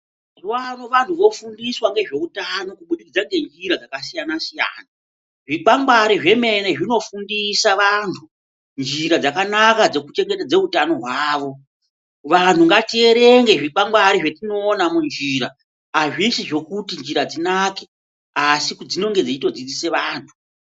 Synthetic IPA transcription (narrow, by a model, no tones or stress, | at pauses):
wanoʋan̤tʰuʋo̞fundiswaŋɡe̞ʐe̞utano̞kuɓuɗikid͡zaŋɡe̞nd͡ʒiɾad͡zakasijanasija̰ːna | ʐiɓaŋɡaɾiʐe̞me̞ne̞ʐino̞fundisaʋaːntʰu | nd͡ʒiɾad͡zakanakad͡ze̞kut͡ʃe̞ŋɡe̞tad͡ze̞utano̞ɦwaːʋo̞ | ʋan̤uŋɡatie̞ɾeŋɡe̞ʐiɓaŋɡwaɾiʐe̞tino̞ːnamund͡ʒiːɾa | aʐisiʐo̞kutind͡ʒiɾad͡zinake | asikd͡zino̞ŋɡe̞d͡ziito̞d͡zid͡zise̞ʋaːntʰu̥